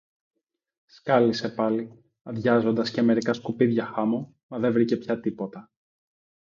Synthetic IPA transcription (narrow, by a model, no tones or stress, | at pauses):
skɐlise̞pɐli | ɐðʝɐzo̞nd̪ɐsceme̞ɾikɐskupiðʝɐxɐmo | mɐðe̞vɾice̞pçɐt̪ipo̞t̪ɐ